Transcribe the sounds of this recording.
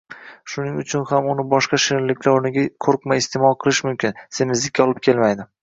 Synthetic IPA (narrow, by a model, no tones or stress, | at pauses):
ʃʊnɪŋʊt͡ʃʰʊnhamʊnɪbɒʃqɑʃɪlːɪkʲʰlaɾnɪɡʲakʰoɾqmajɪst̪ʰemɒlˠqʰɨlˠɪʃmʊmkʲʰɪnsemɪzd̪ɪkʲːaɒlˠɪp̚kʲʰe̞lmajd̪ɪ